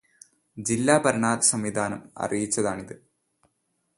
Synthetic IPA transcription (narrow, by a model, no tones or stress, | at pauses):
d͡ʑilːaːbɐɾɐɳaːd̪sɐmʋid̪ʱaːnɐmɐ̰rijit͡ɕːɐðaːɳiðɨ